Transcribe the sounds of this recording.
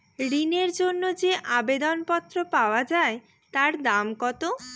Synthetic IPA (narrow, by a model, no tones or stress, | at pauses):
ɽineɾd͡ʑonːod͡ʑeʔabed̪onpɔt̪ːɾopaoad͡ʑae | t̪aɾd̪amkɔt̪o